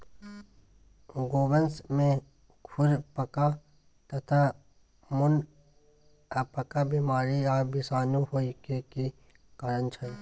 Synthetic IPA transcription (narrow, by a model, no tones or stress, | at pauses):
ɡoːʋənsmẽ | kʰʊɾpəka | t̪ɐt̪ʰa | mʊn | əpəkabimaːɾiaːɾbɪsaːnũhoːikeki | kaːɾənt͡ʃʰə